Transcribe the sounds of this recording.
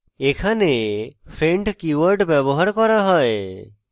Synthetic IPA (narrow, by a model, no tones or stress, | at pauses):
ekʰanepʰɾeɳʈkuwəɾɖbɛbɔɦaɾkɔɾaɦɔe